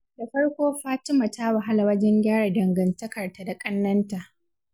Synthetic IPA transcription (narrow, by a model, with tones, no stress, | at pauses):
da˨ɸɐ˦ɽkʷoː˦ɸaː˦tɪ˦ma˨ta˦wa˨ɦa˦la˨wɐ˦d͡ʒɛ˦ŋɡʲaː˦ɽa˨dɐ˨ŋɡɐ˨ntɐ˦kɐ˨rta˨da˨kʼɐ˦nːɐ˦nta˨ʔ